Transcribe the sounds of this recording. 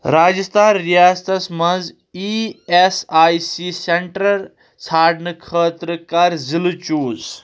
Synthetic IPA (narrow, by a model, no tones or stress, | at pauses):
ɾaːd͡ʒɐst̪ʰaːnɾijaːst̪ɐsmɐnz | iesaːjsiseɳʈɾɐɾ | t͡sʰaːɖnɨkʰəːt̪ɾəkaɾzilut͡ʃuːz